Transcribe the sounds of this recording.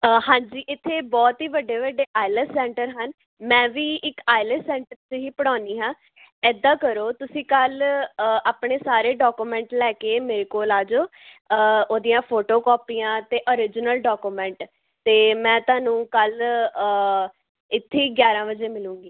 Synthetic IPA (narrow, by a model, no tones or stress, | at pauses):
əhãːɲd͡ʒiːʔɪt̪ʰːeːbɔːt̪ɦiːʋəɖːeːʋəɖeːʔaːɪləsɛ̃ːɳʈəɾɦən | mɛ̃ːʋiːʔɪkaːɪləsɛ̃ːɳʈəɾt͡ʃɦiːpəɽ̃aːniːɦãː | ɛːd̪ãːkəɾoːt̪ʊsĩːkələaːpɳeːsaːɾeːɖɔːkuːmɛ̃ːɳʈlɛːkeːmeːɾeːkoːlaːd͡ʒoː | əoːd̪ijãːpʰoːʈoːkɔːpiːãːt̪eːʔoːɾɪd͡ʒnəlɖɔːkuːmɛ̃ːɳʈ | t̪eːmɛ̃ːt̪ʊaːnũːkəlː | ɪt̪ʰːeiːɡjaːɾãːʋəd͡ʒeːmɪlũːŋɡiː